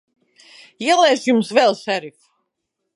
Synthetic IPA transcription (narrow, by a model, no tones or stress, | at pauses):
iɛlˠɛːʃjumsvɛlˠsæɾif